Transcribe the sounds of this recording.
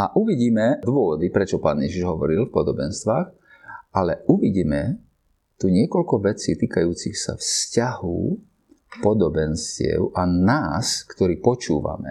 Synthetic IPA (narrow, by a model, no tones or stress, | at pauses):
ʔaʔuʋiɟiːmɛd̪ʊɔʋɔd̪ipɾɛt͡ʃɔpaːnjɛʒiʒɦɔʋɔɾilfpɔd̪ɔbɛnst̪ʋaːx | ʔalɛuʋiɟiːmɛ | t̪uɲɪɛkɔlkɔʋɛt͡siːt̪iːkajuːt͡sixsa̰fscaɦṵ | pɔd̪ɔbɛnscɪɛ̰ʊʔanaːskt̪ɔɾiːpɔt͡ʃuːʋa̰mɛ̰